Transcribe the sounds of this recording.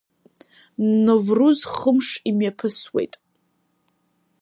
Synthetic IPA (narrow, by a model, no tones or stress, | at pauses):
nnovruzχəmʂimjapʰɨswḛjtʼ